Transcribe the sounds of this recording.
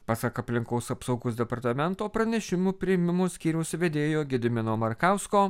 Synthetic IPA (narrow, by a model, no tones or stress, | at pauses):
pɑsɐkɐpʲlʲɪŋkɐʊsɐpsɐʊɡoːsd̪ʲɛpɐɾt̪ɐmʲɛnt̪oːpɾɐnʲɛʃʲɪmupʲɾʲɪɛmʲɪmoːsʲkʲiːɾʲɛʊsʋʲɛd̪ʲeːjoːɡʲɪd̪ʲɪmʲɪnoːmɐɾkɑʊskoː